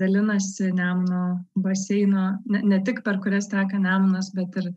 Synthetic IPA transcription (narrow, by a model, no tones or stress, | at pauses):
ɐlʲɪnɐsʲɪnʲæːmnoːbɐsʲɛɪnoːnʲɛnʲɛt̪ʲɪkpʲɛrkʊɾʲɛst̪ʲæːkɐnʲæːmnɐsbʲɛt̪ɪr